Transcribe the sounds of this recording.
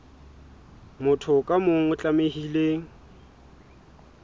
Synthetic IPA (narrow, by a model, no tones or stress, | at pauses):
mʊtʰʊkʼamʊŋ̩ʊt͡ɬʼamehileːŋ̩